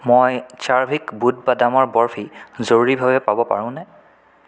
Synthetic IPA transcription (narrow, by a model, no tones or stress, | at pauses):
mojt͡ʃaɹbʱikbud̚badamɔɹbɔɹpʰizoɹuɹibʱabɛpabɔpa̰ɹʊ̃nɛ